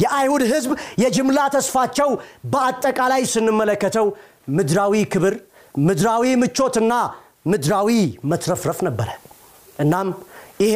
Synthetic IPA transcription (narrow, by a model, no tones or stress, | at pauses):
jɛʔajhud̪ɦɨzbjɛd͡ʒɪmlat̪ʰəsfat͡ʃːɛwbəat̪ʼːəkʼalajsɨnːɨmːələkːət̪ʰəw | mɨd̪ɾawikʰɨβɨɾ | mɨd̪ɾawimɨt͡ʃːo̞t̪ɨnːa | mɨd̪ɾawimət̪ɾəfɾəfnəbːəɾə | ʔɨnːamjɪ